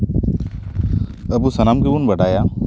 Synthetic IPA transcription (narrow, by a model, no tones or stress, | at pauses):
ɐbusɐnaːmkebunbɐɖaːjaː